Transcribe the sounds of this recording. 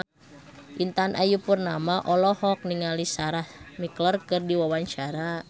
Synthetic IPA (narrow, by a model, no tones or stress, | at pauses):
ʔint̪anʔa̰jupurnamaʔɔlɔhɔk̚niŋalisaɾahmiklərkɨrdiwawaɲt͡ʃaɾa